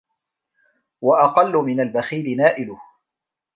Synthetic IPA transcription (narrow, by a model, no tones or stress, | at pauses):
waʔɑqɑlːʊmɪnalbaxiːlɪnaːʔɪlʊh